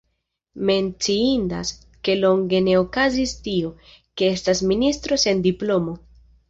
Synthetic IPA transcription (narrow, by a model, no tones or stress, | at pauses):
me̞nt͡siinda̰s | ke̞lo̞ŋɡe̞ne̞o̞kazistio̞ | ke̞e̞stasministɾo̞se̞ndiplo̞mo̞